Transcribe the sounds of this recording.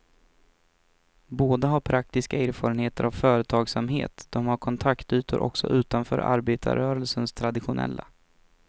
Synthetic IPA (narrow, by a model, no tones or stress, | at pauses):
boːd̪aɦaɾpʰɾak̚t̪ɪskaeːɾfɑːɾənheːt̪əɾʔavfœːɾət̪ʰɑːɡsamɦḛːt̪d̪̥ɔmhaɾkʰɔnt̪ʰakt̪yːt̪ʊɾʔɔ̰ksɔ̰ʔʉ̟ːt̪anfœ̰ːɾʔa̰ɾbeːt̪ʰa̰ɾœːɾəlsənst̪ʰɾad̪ɪɧʊnʔɛ̰lːa